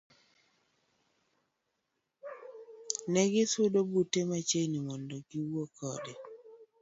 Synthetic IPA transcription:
nɛɡɪsʊdobutemat͡ʃenimɔndɔɡiwokɔdɛ

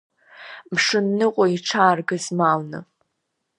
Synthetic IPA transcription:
mʂɨnːɨqʷʼoiʈ͡ʂʰaːrɡɨzmalnɨ̰

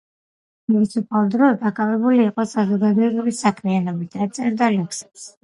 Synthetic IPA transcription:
tuvisʰupʰalˠd̪ɾɔd̪akʼavɛbuliːqʼɔsazɔɡad̪ɔɛbilisakʰmianɔbisd̪at̪sʼɛɾd̪aliŋksɛps

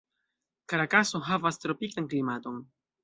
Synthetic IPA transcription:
kaɾakaso̞ɦavastɾo̞pikanklimato̞n

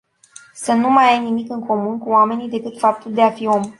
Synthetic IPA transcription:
sənumajajnimikɨŋko̞munkuame̞nid̪e̞kɨt̪fap̚t̪uld̪e̞afio̞m

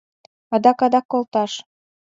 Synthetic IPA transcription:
ɑd̪ɑkɑd̪ɑkːolt̪ɑʃ

